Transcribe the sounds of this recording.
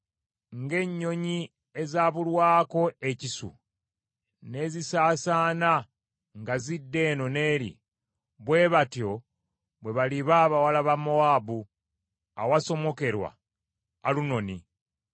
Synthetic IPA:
ŋɡe̞ɲːo̞ɲi | e̞zaːβulwaːko̞ecisṵ | ne̞ːzisaːsaːna | ŋɡazidːe̞ːno̞ne̞ːɾḭ | βwe̞ːβatjo̞ | βwe̞βaliβaːβawalaβamo̞aːbu | a̰waso̞mo̞ke̞ɾwa̰ː | luno̞ni

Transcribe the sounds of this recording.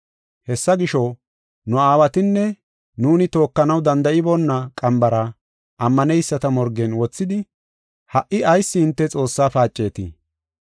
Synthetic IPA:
hɛsːɐɡɪʃɔ | nʊaːwɐt̪ɪnːɛ | nuːnɪt̪o̞ːkːɐnɐwd̪ɐnd̪ɐʔɪbɔnːɐkʼɐmbɐɾɐ | ʔɐmːɐnɛjsːɐt̪ɐmɔɾɡɛnwɔt͡sːɪd̪ɪ | hɐʔɪɐjsːɪːnt̪ːɛt͡sʼo̞ːsːaːfaːt͡ʃʼːe̞ːt̪ɪ̰

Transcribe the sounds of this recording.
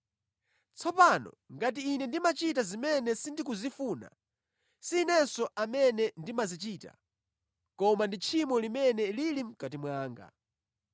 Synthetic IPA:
t͡sʰɔpanɔ̰ŋɡat̬iːnɛndimat͡ʃitazimɛnɛsindik̬uzifuna̰ | siːnɛsɔʔamɛnɛndimazit͡ʃiːta̰ | kɔmandit͡ʃʰimɔlimɛnɛlilim̩katimwaːŋɡa̰

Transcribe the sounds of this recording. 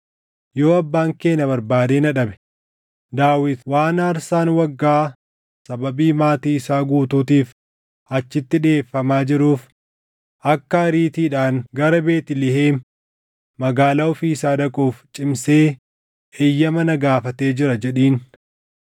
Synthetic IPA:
jo̞ːɐbːaːŋke̞ːnɐbɐɾbaːd̪eːnɐᶑɐbɛ̥ | d̪aːwɪt̪waːnaːɾsaːnwɐɡːaː | sɐbɐbiːmaːt̪iːɪsaːɡuːt̪uːt̪iːf | ɐt͡ʃːɪt̪ːɪᶑeːfːɐmaːd͡ʒɪɾuːf | ʔɐkːɐɐɾiːt̪iːᶑaːŋɡɐɾɐbe̞ːt̪ɪlɪɦeː | mɐɡaːlaːɔfiːsaːᶑɐkʼuːft͡ʃʼɪmse̞ː | ʔejːɐmɐnɐɡaːfɐt̪e̞ːd͡ʒɪɾɐd͡ʒɛᶑiːn

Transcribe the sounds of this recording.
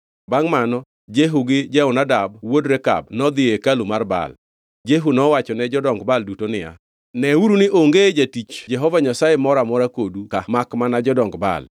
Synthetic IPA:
baŋmanɔ | d͡ʒeɦuɡɪd͡ʒɛʊnadabwodɾɛka̰bnɔd̪ɪekalumarba̰l | d͡ʒeɦunɔwat͡ʃɔnɛd͡ʒɔdɔŋɡbaldutonɪja̰ | nɛuɾunɪʔoŋɡed͡ʒatit͡ʃd͡ʒɛɦɔvaɲasajemɔɾamɔɾakodukamakmanad͡ʒɔdɔŋɡba̰l

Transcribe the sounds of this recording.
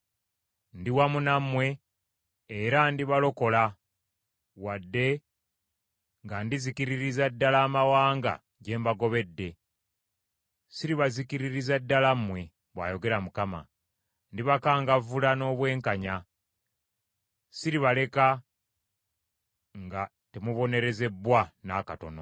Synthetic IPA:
ndiwamunamwe̞ː | ɾandiβalo̞ko̞la | wadːe̞ | ŋɡandizikiɾiɾizadːalaːmawaːŋɡa̰ | ɟe̞ːmbaɡo̞βe̞dːe̞ | siɾiβazikiɾiɾizadːalamwe̞ | βwa̰ːjo̞ɡe̞ɾamukama̰ | ndiβakaːŋɡavulano̞ːβwe̞ːŋkaɲa | siɾiβale̞ka | ŋɡa | temuβo̞ne̞ɾe̞ze̞bwanakato̞̰no̞̰

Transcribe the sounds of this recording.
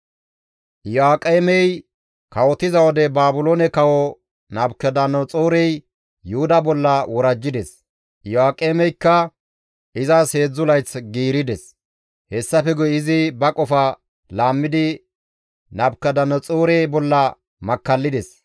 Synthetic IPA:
ʔjɔaːkʼeːmɛj | kɐwɔt̪ɪzɐwɔd̪ɛbaːbʊlonɛkɐwɔ | nɐbkːɛd̪ɐnːɔt͡sʼoːɾɛj | jʊhʊd̪ɐbɔlːɐwɔɾɐd͡ʒːɪd̪ɛs | jʊaːkʼːeːmɛjkːɐ | ʔɪzɐse̞ːd͡zːʊlɐjt͡sɡiːɾɪd̪ɛs | hɛsːɐfɛɡʊjɪzɪbɐkʼɔfɐ | laːmːɪd̪ɪ | nɐbkːɐd̪ɐnːɔt͡sʼoːɾɛjbɔlːɐ | mɐkːɐlːɪd̪ɛs

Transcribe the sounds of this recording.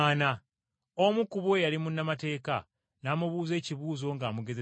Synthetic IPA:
na | omukuβojalimunːamate̞ːka | naːmuβuːze̞ːciβuːzo̞ŋɡaːmuɡe̞ze

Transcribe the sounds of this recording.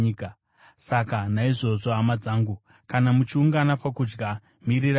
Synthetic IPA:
ka | sakanaiʐo̞zoɦamad͡zaːŋɡu | kanamut͡ʃiuŋɡanapakud͡ʒɡa | miɾir

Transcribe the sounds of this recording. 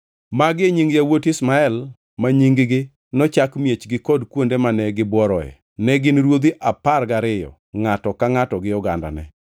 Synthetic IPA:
maɡɪɲiŋɡjawotismaɛl | maɲiŋɡɡɪ | nɔt͡ʃakmjet͡ʃɡɪkɔdkwondemanɛɡɪbwɔɾɔɛ̰ | nɛɡɪnɾwod̪iʔaparɡaɾɪjɔ̰ | ŋatɔkaŋatɔɡɪjɔɡa̰nda̰nɛ̰

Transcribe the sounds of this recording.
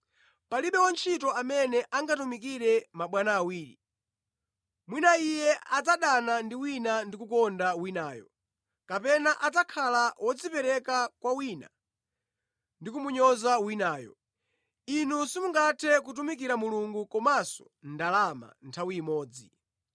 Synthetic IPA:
paliɓɛwant͡ʃʰitɔamɛnɛʔaŋɡatumik̬iɾɛmaɓwanaːwiːɾḭ | mwinaijɛad͡zaɗanandiwinandikukɔndawinaːjɔ̰ | kapɛnaʔatakʰalawʔɔd͡zipɛɾɛkakwawina̰ | ndikumuɲɔzawinaːjɔ̰ | inusimuŋɡatʰɛkutumikiɾamuluŋɡukɔmasɔ̥̰ | ndalama̰ntʰawiːmɔːd͡zi

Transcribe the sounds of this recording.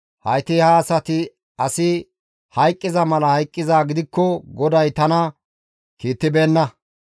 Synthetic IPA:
hɐjt̪ɪhaːsɐt̪ɪ | ɐsɪ | hɐjkʼːɪzɐmɐlɐhɐjkʼːɪzaːɡɪd̪ɪkːɔɡɔd̪ɐjt̪ɐnɐ | kiːt̪ːɪbe̞ːnːɐ

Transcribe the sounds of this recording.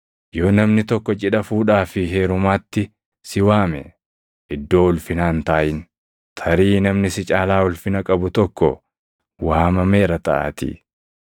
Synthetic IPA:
jo̞ːnɐmnɪt̪ɔkːɔt͡ʃʼɪᶑɐfuːᶑaːfɪɦe̞ːɾʊmaːt̪ːɪ | sɪwaːmɛ̰ | ʔɪd̪ːo̞ːʊlfɪnaːnt̪aːʔɪn | t̪ʰɐɾiːnɐmnɪsɪt͡ʃʼaːlaːʊlfɪnɐkʼɐbʊt̪ɔkːɔ̰ | waːmɐmeːɾɐt̪ɐ̰ʔa̰ːt̪ɪ̰

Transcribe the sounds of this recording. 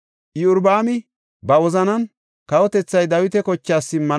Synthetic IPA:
ʔɪʊɾbaːmɪ | bɐwɔzɐnɐn | kɐwɔt̪ɛt͡sːɐjd̪ɐwɪt̪ɛkɔt͡ʃːaːsːɪmːɐ

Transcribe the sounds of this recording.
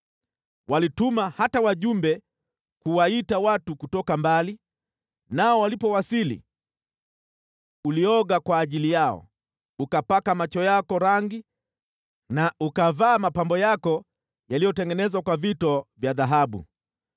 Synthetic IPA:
wʔalitumahatawaʄumbɛ | kuwaitawatukutɔkambali | naɔwalipɔwasilḭ | uliɔɠakwaːʄilijaɔ̰ | ukapakamat͡ʃɔjakɔɾaŋɡi | naukavaːmapambɔjakɔ | jalijɔtɛŋɡɛnɛzwakwavitɔvjaðaɦaɓṵ

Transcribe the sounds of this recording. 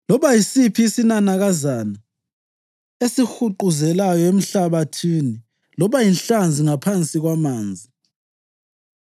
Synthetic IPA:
lɔβajisipʰiːsinanaɣazana | esixuǃuzɛlajɔem̩ɬaβatʰini | lɔβajinɬand͡zʱiŋapʰant͡sʼiɣwamaːnd͡zʱi

